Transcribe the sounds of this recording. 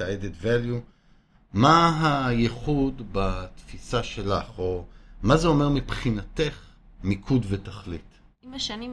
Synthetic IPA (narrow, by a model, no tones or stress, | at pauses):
aed̪et̪valju | maɦajeχud̪bat̪fisaʃe̞laχomazeo̞meʁmipχinat̪eχ | mikʰudvetaχlit | imaʃani